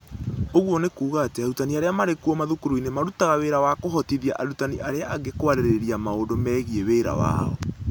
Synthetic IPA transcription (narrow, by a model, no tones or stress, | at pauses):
oɣwɔnekuːɣateaɾutaniaɾeamaɾekuɔmaðukuɾoinemaɾutaɣaweːɾawakoɦɔtiðia̰ʔaɾutaniʔaɾeaːɡekowaɾeɾeɾiamaondomɛːɣieweːɾa̰wa̰ːɔ̰